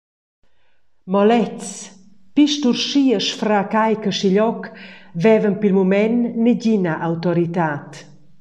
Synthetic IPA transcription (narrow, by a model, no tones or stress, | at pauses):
mɔlɛt͡s | piʃt̪uɾʃiəʃfɾakajkəʃiʎɔkvɛvənpilmumɛnːeɟinaʔawt̪ɔɾit̪aːt̪